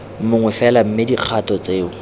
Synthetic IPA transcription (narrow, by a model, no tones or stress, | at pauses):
m̩mʊŋwɛfɛlam̩mɪdiq͡χʰatɔt͡seːʊ